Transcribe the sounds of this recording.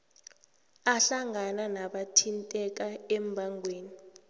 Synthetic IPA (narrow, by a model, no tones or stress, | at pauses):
aɬaŋananaɓatʰintʼɛk̬aɛmbʱaŋʱweːni